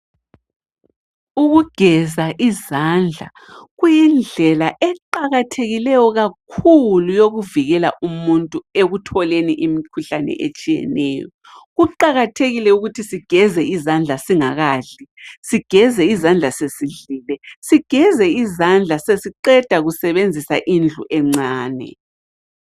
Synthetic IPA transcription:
uɣuɡ̥ʱɛzaʔizand͡ɮʱa̰ | ɣujind͡ɮʱɛlaʔɛǃaɣatʰeɣilɛjɔɣakʰulujoɣuviɣɛla̰ʔumuntʼueɣutʰɔleniʔimikʰuɬanɛ̰ʔḛt͡ʃʼijɛ̰nɛ̰ːjɔ̰ | ɣuǃaɣatʰeɣilɛuɣutʰisiɡ̥ʱɛzɛizand͡ɮʱasiŋaɣaːɮisiɡ̥ʱɛzɛizand͡ɮʱasesiɮiːlɛsiɡ̥ʱɛzɛizand͡ɮʱasesiǃɛd̥ʱaɣusɛβend͡zʱisa̰ʔind͡ɮʱuʔɛŋ͡ǀaːnɛ̰

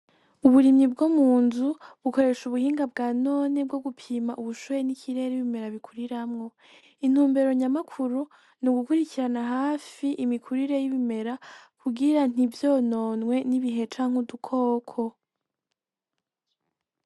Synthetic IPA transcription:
uβuɾimɲibɡomuːnzuβuko̞ɾe̞ʃuβuhiːŋɡabɡaːno̞ːneb̚ɡo̞ɡupʰiːmaʔuβuʃujenikʰiɾe̞ɾeiβime̞ɾaβikʰuɾiɾamŋo̞ | in̥huːmbe̞ɾo̞ɲamakʰuɾu | nuɡukuɾiciɾanaɦaːfiʔimikʰuɾiɾe̞jiβime̞ɾakʰuɡiɾan̥ivjo̞ːno̞ːnŋwe̞niβiɦe̞t͡ʃaːŋ̥udukʰo̞ːkʰo̞

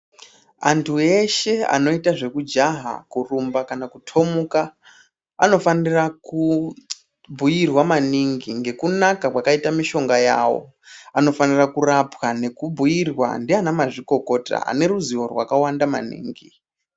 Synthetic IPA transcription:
antʰue̞ʃe̞a̰no̞itaʐe̞kud͡ʒaɦa̰kurumbakanakutʰo̞muka | ano̞faniraku | bʱujirwamaniŋɡiŋɡe̞kunakakwakaitamiʃo̞ŋɡajaːwo̞̰ | ano̞fanirakurapwane̞kubʱujirwa̰ndeanamaʐiko̞ko̞ta̰a̰ne̞ɾuziwo̞rwa̰kawandama̰nḭːŋɡi

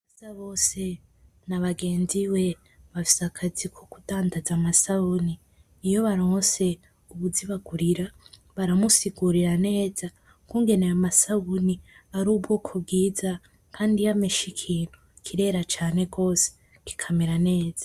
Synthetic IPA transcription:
βazaβo̞ːse̞ | naβaɡe̞ːnziwe̞ | βafi̥sakʰazikʰokudaːndazamasauniː | jo̞βaɾose̞ | uβuziβaɡuɾiɾa | βaɾamusiɡuɾiɾane̞ːza | kuːŋɡe̞neamasauniaɾuːbɡoːkʰob̚ɡiːza | kʰaːndijameʃikʰiːn̥hu | kʰiɾe̞ɾat͡ʃaːne̞ɡo̞ːse̥ | ki̥kʰameɾane̞ːz̥ḁ

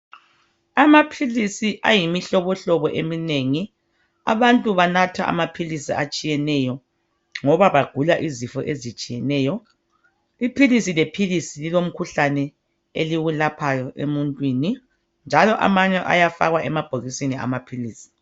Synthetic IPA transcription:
amapʰilisiʔa̰jimiɬɔβɔɬɔβɔʔemineŋi | a̰βantʼuβanatʰa̰ʔa̰mapʰilisiat͡ʃʼijɛnɛjɔ | ŋɔβaβaɡ̥ʱulaʔizifɔʔezit͡ʃʼijɛnɛːjɔ | ipʰilisilepʰilisililom̩kʰuɬanɛ | eliɣulapʰajɔʔḛmuntʼwini | nd͡ʒʱalɔʔa̰maɲɛʔa̰jafa̰ɣwaʔɛmab̥ʱoɣisinia̰mapʰiliːsi̥

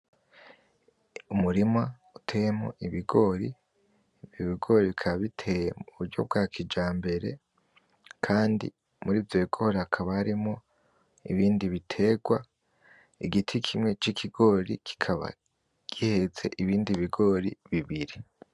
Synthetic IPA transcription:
umuɾima | utʰe̞jemo̞̰ʔiβiɡo̞ːɾi | vjoβiɡo̞ːɾiβikʰaβaβitʰe̞jemuβuɾɟo̞̰b̚ɡaːkʰid͡ʒaːmbe̞ɾe̞̰ | kʰaːndḭ | muɾiːvje̞ːɡ̥o̞ɾakʰaβahaɾimo̞ | ḭβiːndiβitʰe̞ɡwa | iɡitʰikʰimŋe̞t͡ʃikʰiɡ̥o̞ɾikʰi̥kʰaβa̰ | ɡ̥ihe̞ze̞̰ʔiβiːndiβiɡo̞ːɾḭβiβiɾi

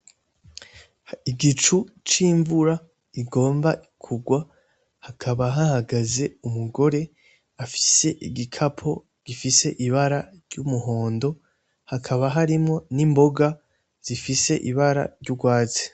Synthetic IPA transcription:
iɡit͡ʃu | t͡ʃiːɱvuɾa | iɡo̞ːmbaʔikʰuɡwa | hakʰaβaɦahaɡaze̞umuɡo̞ɾe̞ | afi̥se̞ʔiɡikʰapʰo̞ | ɡ̥ifise̞ʔiβaɾaɾɟumuɦo̞ːndo̞ | hakʰaβaɦaɾimŋo̞nimbo̞ɡa | z̥ifise̞ʔiβaɾa̰ɾɟuɡwaːze̥

